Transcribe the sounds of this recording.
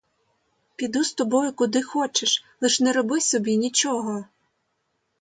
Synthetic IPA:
pʲid̪ust̪ɔbɔjʊkʊd̪ɪxɔt͡ʃeʃlˠɪʃnɛɾɔbɪsɔbʲinʲit͡ʃɔɦɔ

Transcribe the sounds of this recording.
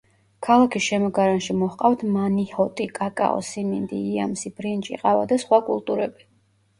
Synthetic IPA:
kʰalˠakʰisʃɛmɔɡaɾanʃimɔhqʼaft̪ʰmanihɔt̪ʼikʼakʼa̰ɔ̰simind̪ḭːa̰msibɾint͡ʃʼḭqʼava̰d̪asχwakʼṵlˠt̪ʼuɾɛbi

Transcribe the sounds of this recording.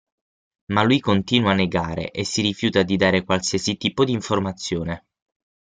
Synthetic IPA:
malːujkont̪iːnwanːeɡaːɾḛʔesːiɾifjuːt̪ad̪id̪aːɾekwalsiːasit̪iːpod̪iːɱformat̪sːjoːne

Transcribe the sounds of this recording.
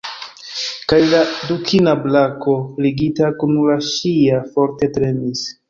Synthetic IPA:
kajladukʰinablako̞liɡitakunlaʃiafo̞ɾte̞tɾe̞nis

